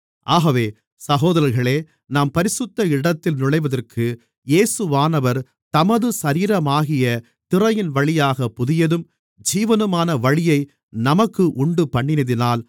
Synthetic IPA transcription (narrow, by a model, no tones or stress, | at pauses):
ʔaːɣɐʋeː | sɐɣoːðɐɾɐɾɣɐɭeː | naːmpɐɾɪsɯt̪ːɐɪɽɐt̪ːɪlnʊɭɐɪʋɐðɐrkʰɯ | jeːsɯʋaːnɐʋɐɾ | t̪ɐmɐðɯsɐɾiːɾɐmaːɣɪjɐ | t̪ɪrɐjɪnʋɐɭɪjaːɣɐpːʊðɪjɐðɯm | d͡ʒiːʋɐnɯmaːnɐʋɐɻɪjɐɪ | nɐmɐkːɯʔʊɳɖɯpɐɳːɪnɐðɪnaːl